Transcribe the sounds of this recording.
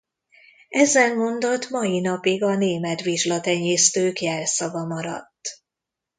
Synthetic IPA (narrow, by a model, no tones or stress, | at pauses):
ɛzːɛnmo̞nd̪o̞t̪mɒjinɒpiɡɒneːmɛt̪ʋiʒlɒt̪ɛɲeːst̪øːkjɛlsɒvɒmɒɾɒ̰t̪ː